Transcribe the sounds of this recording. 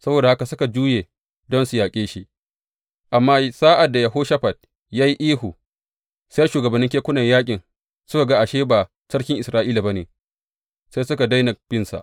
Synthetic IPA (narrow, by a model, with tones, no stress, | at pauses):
sɐ˦boː˨da˨ha˦ka˨sʊ˦ka˨d͡ʒuː˦je˨ | dɔ˦nsu˨jaː˨kʲʼeː˦ʃi˦ | ʔa˨mːaː˦saː˦ʔa˨dːa˨ja˨ɦoː˦ʃa˦ɸɐ˨d̚ | jaː˦ji˦ʔiː˦hu˨ | sa˦jʃuː˨ɡɐ˨bɐ˨nːɪ˦ŋkʲeː˦kʷʊ˦nɐ˨ɲjaː˦kʲʼɪ˨n | sʊ˦ka˨ɡa˦ʔa˨ʃeː˦baː˨ | sɐ˦kʲɪ˦ŋʔɪ˨sɾaː˦ʔiː˦la˨ba˦neː˨ | sa˦jsʊ˦ka˨da˦jnɐ˨k̚b̥ɪ˦nsa̰˨ʔ